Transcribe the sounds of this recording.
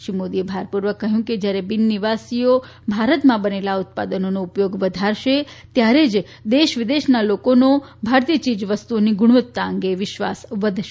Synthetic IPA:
ʃimod̪iebʱaɾpuɾʋəkːəɦjũked͡ʒjaɾebɪnːiʋasio | bʱaɾət̪mãbənelaʊt̪̚pa̰d̪ənonoupjoɡʋəd̪ʱaɾʃet̪jaɾed͡ʒ | d̪eʃʋɪd̪eʃnalokonobʱaɾt̪ijət͡ʃid͡ʒʋəst̪uoniɡʊɽ̃ʋət̪ːaəŋɡeʋɪʃʋa̰sʋəd̪ʱʃe

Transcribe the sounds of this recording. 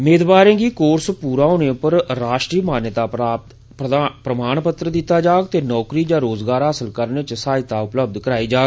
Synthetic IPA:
meːd̪baːɾẽːɡiːkoːɾspuːɾaːɦoːnẽpəɾɾaːʃʈɾiːmaːnjt̪aːa | pɾəmaːnpət̪ɾəd̪ɪt̪ːaːd͡ʒaːɡt̪eːnɔːkɾiːd͡ʒãːɾoːzɡaːɾɦaːsəlkəɾneːt͡ʃsaːɪt̪aːʊpləb̚d̪kəɾaːiːd͡ʒaːɡ

